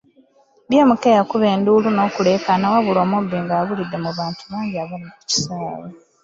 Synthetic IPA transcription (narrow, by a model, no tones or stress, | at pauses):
bjeːmukejakuβe̞ːnduluno̞ːkule̞ːkanawaβulo̞ːmubiːŋɡaːβulidːe̞muβaːntuβaːɲɟiaβanaku̥ci̥saːwa